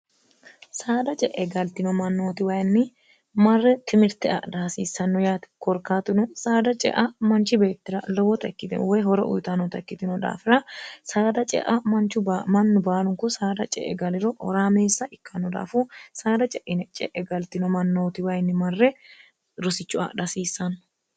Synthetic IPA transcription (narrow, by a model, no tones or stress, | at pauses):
saːd̪ɐt͡ʃʼɛʔɛɡɐlt̪ɪnɔmɐnːo̞ːt̪ɪwɐjnːɪ | mɐrːɛt̪ɪmɪɾt̪ɛʔɐ̰d̪aːsiːsːɐnːɔjaːt̪kɔɾkaːt̪ɪnɔsaːd̪ɐt͡ʃʼɛ̰ʔɐmɐnt͡ʃɪbe̞ːt̪ːɪɾɐlɔwɔt̪ɐɛkːɪt̪ɪnwɔjɦɔɾɛʔʊ̰jt̪ɐnɔt̪ɐkːɪt̪ɪnɔd̪a̰ːfɪɾɐsaːd̪ɐt͡ʃʼɛ̰ʔɐmɐnt͡ʃːʊmɐnːʊbaːlʊŋkʊsaːd̪ɐt͡ʃʼɛ̰ʔːɛ̰ɡɐlɪɾɔʔɔ̰ɾaːmeːsːɐʔɪkːɐnːɔd̪a̰ːfɔsaːd̪ɐt͡ʃʼɛʔɪnɛt͡ʃʼɛ̰ʔɛɡɐlt̪ɪnɔmɐnːoːt̪ɪwɐjnːɪmɐrːɛ | ɾʊsɪt͡ʃːʊɐ̰ʔd̪ɐsiːsːɐnːɔ̥